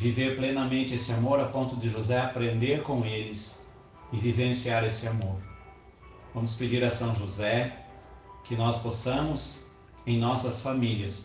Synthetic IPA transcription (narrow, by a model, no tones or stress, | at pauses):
viveɾplenɐmẽnt͡ʃɪesɪamoɾapõnt̪ʊd̪ɪʒozɛapɾẽnd̪eɾkõw̃elɪs | ɪvivẽsiaɾesɪamoɾ | vɐ̃mʊsped͡ʒiɾɐsɐ̃w̃ʒozɛ | kɪnɔsposɐ̃mʊz | ẽj̃nɔsɐsfamiliɐs